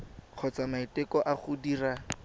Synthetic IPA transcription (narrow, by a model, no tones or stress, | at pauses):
q͡χʰɔt͡samaitɛkɔʔaχʊdiːra